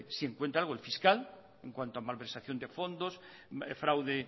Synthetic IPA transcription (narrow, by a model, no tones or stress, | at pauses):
sieŋkwe̞nt̪ɾalɣoelfiskal | eŋkwant̪oamalβeɾsaθjond̪e̞fo̞nd̪os | fɾawðe